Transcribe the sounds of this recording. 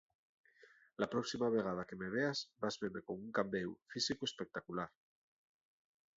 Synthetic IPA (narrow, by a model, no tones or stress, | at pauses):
lapɾɔksimaβeɣ̞að̞akemeβ̞eazbazβeɾmekoŋuŋkambewfisikuespek̚t̪akulaɾ